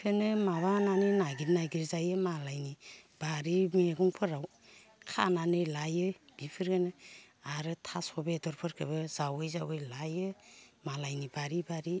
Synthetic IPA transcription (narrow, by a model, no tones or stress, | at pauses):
kʰɯnɯmaβananɯjnaɡiɾnajɡiɾzajɯmalajnib̥aɾimeɡɔŋpʰɯɾaw | kʰa̰nanɯjlajɯb̥ipʰɯɾɡanɯ | aɾɯtʰasɔbedɔɾpʰɯɾkʰɯ̰bɯz̥awɯjzawɯjlajɯmalajnibaɾibaɾi